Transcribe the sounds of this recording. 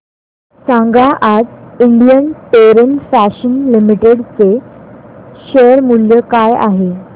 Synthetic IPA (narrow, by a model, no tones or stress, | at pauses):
sãŋɡaʔad͡ziɳɖijənpeɾənfæɕənlimiʈeɽt͡se | ɕəɾmuljəkaja̰ɦe